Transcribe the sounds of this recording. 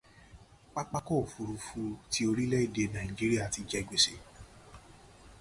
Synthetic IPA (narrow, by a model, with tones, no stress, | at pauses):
k͡pa˦k͡pa˦kɔ˦˨fu˧ɾu˧fu˧ti˨˦o˧ɾi˦lɛ˦i˦˨de˧nã˨d͡ʒi˦ɾi˦a˦˨ti˧d͡ʒɛ˧˨ɡ͡be˨se˧